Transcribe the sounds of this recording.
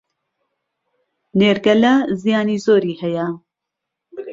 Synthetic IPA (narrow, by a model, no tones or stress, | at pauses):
neːɾɡɐlazijaːniːzoːɾiːhɛja